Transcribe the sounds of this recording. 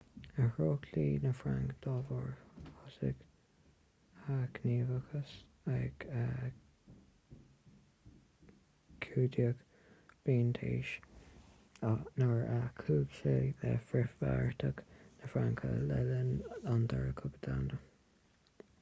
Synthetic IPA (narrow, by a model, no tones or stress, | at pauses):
əhɹoːkʰliːnəfɾaŋkd̪̥ɑːvɔɹhɔsɪ̰ɡ | akʰniːvəkʰəs | ɛɡa | kʰuːd̪jəɡ | b̥iːnt̪ʰḛːʃ | nəɹakʰuːɡʃeðɛ̰fɾɪfva̰ɹt̪ʰəɡnəfɾaŋkʰə̰lɛlənand̪ʰaɹəkʰʊbəd̪ʰandə